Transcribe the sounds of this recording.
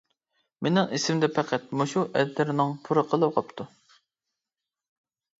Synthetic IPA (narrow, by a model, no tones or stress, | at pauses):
menɪŋesɪmd̪ɛpʰæqʰæt̪̚moʃuʔɛd̪t̪ɪɾnɨŋpʰuɾəqʰəlˠɨwqɑpt̪ʰu